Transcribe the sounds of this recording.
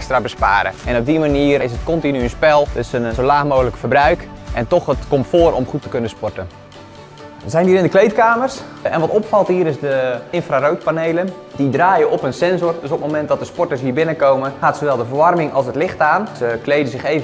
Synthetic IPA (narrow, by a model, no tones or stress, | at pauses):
kstrabəspa̰ːɾə̰ɛnɔb̚dimaniərɪsətkɔntinynspɛlˠdɪsənsolaːxmoːɣələkəfərbrœɥkʔɛntɔxətkomtfoːrɔmχutə̥kønəspɔɹtən | zɛjndiːɾɪndəklejtkaːmərs | ɛnʋɔtɔpfɑlˠtɦiəɾɪsdəɪnfrarowt̚paneːlən | didraːjəʔɔpənsɛnzɔrdøsɔpmomɛnt̚dɔt̚dəspɔtəs̬ɦiəbɪnəkowmənxaːtsowʋɛlˠdəfərʋɑrmɪŋɑlˠsətlɪxtaːnsəklejdəzɪxeːv